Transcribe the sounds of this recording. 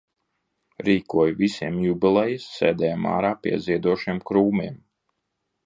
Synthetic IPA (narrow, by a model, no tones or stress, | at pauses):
ɾiːkuɔjuvisiɛmjubilˠɛjisːeːd̪ɛːjama̰ːɾaːpʲḭɛziɛd̪uɔʃiɛmkɾuːmiɛm